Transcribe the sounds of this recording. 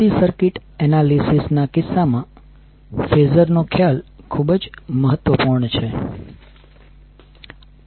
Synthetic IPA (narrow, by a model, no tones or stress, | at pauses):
isəɾkɪʈɛnalisisnakɪsːamã | fezəɾnokʰjalkʰubəd͡ʒməɦət̪ʋəpuɾɳt͡ʃʰe